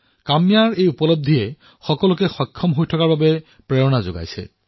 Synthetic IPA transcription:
kamijaɹejupɔlob̚d̪ʱijɛ | xɔkɔlʊk̬ɛxɔjkʰːɔmɦojtʰɔkaɹbabɛ | pɹɛɹɔnazo̰ɡa̰jsɛ̰

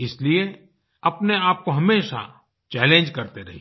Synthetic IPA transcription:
ɪslie | ɐpneaːp̚koɦɐmeːʃa̰ | t͡ʃɛːlẽːnd͡ʒkɐɾt̪eɾɐɦi

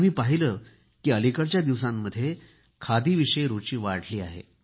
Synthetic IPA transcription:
am̤iːpaɦiləː | kiːəlikəɾt͡ɕjad̪iʋsamːəd̪ʱːje | kʰad̪iːʋiɕəjɾut͡ɕiːʋaɽ̤liːa̰ɦḛ

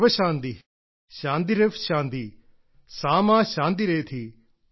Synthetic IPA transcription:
ʋɐʃãːnd̪i | ʃãːnd̪̬iɾeʋʃãːnd̪iː | sãːmãːʃãːnd̪̬iɾeet̪ʰiː

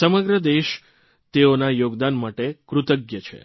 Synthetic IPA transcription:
səməɡɾəd̪eʃ | t̪eonajoɡd̪anmaʈekɾut̪əɡjət͡ʃʰḛ

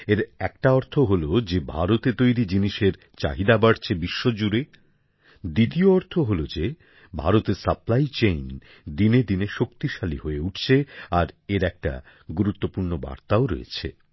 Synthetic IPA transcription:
eɾɛk̚ʈaɔɾt̪ʰoɦolod͡ʑebʱaɾot̪et̪ojɾid͡ʑiniʃeɾ | t͡ɕa̰ɦid̪abaɽt͡ɕʰebiʃːod͡ʑuɾe | d̪it̪ioɔɾt̪ʰoɦolod͡ʑe | bʱa̰ɾot̪eɾsaplajt͡ɕejn | d̪ined̪ineʃokt̪iʃaliɦoeuʈʰt͡ɕʰeaɾeɾɛk̚ʈa̰ | ɡuɾut̪ːopuɾnoba̰ɾt̪aoɾo̰jḛt͡ɕʰḛ

